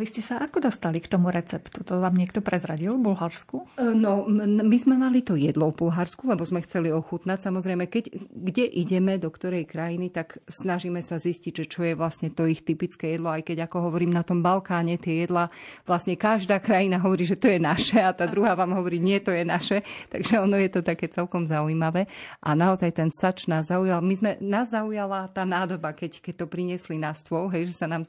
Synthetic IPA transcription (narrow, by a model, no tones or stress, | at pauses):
ʋiscɛsaʔakɔd̪ɔst̪alikt̪ɔmuɾɛt͡sɛpt̪ut̪ɔʋaːmɲɪɛkt̪ɔpɾɛzɾaɟilvbulɦaɾskunɔmizmɛmalit̪ɔjɛd̪lɔvbulɦaɾskulɛbɔzmɛxt͡sɛliɔxut̪nacsamɔzɾɛjmɛkɛcɡɟɛʔiɟɛmɛd̪ɔkt̪ɔɾɛjkɾajinit̪aksnaʒiːmɛsazisciɟʒɛt͡ʃɔjɛʋlasɲɛt̪ɔixt̪ipit͡skɛːjɛd̪lɔajkɛɟakɔɦɔʋɔɾiːmnat̪ɔmbalkaːɲɛt̪ɪɛjɛd̪laʋlasɲɛkaʒd̪aːkɾajinaɦɔʋɔɾiːʒɛt̪ɔjɛnaʃɛat̪aːd̪ɾuɦaːʋaːmɦɔʋɔɾiːɲɪɛt̪ɔjɛnaʃɛt̪a̰ɡʒɛɔnɔjɛt̪ɔt̪akɛːt͡sɛlkɔmzaujiːmaʋɛːʔa̰naɔzajt̪ɛnsat͡ʃnaːzːaujalmizmɛnaːzːaujalat̪aːnaːd̪ɔbakɛckɛc̚t̪ɔpɾiɲɪɛslinast̪ʋɔlɦɛjʒɛsanaːm